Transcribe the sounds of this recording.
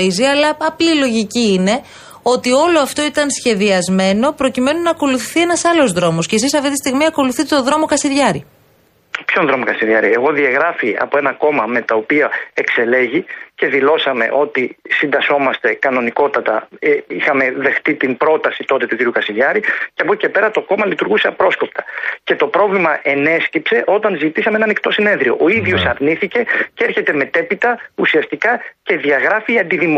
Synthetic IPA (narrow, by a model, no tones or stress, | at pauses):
iziɐlɐːplilo̞ʝiciine̞ | o̞t̪io̞lo̞ɐft̪o̞it̪ɐnsçe̞ðiɐzme̞no̞pɾo̞cime̞nunɐːko̞luθiθie̞nɐsɐlo̞zðɾo̞mo̞scesisɐft̪it̪i̥st̪iɣmiɐko̞luθit̪et̪oðɾo̞mo̞kɐsiɾʝɐɾi | pçonðɾo̞mokɐsiɾʝɐɾie̞ɣo̞ðiɐɣɾɐfiɐ̰po̞e̞nɐko̞mɐme̞t̪ɐopiɐe̞kse̞le̞ʝice̞ðilo̞sɐme̞̰ʔo̞t̪isind̪ɐso̞mɐst̪e̞kɐno̞niko̞t̪ɐt̪ɐixɐme̞ðe̞xt̪it̪imbɾo̞t̪ɐsit̪o̞t̪e̞t̪uciɾiukɐsiʎɐɾiceɐpoce̞pe̞ɾɐt̪o̞ko̞mɐlit̪uɾɣuseɐpɾo̞sko̞p̚t̪ɐ̥ce̞t̪o̞pɾo̞vlimɐʔe̞ne̞scipse̞ʔo̞t̪ɐnzit̪isɐmeenɐnikt̪o̞sine̞nðɾio̞ʔoiðʝo̞sɐɾniθice̞ceeɾçe̞t̪e̞me̞t̪e̞pit̪ɐusiɐst̪ikɐce̞ðiɐɣɾɐfiːɐnd̪iðim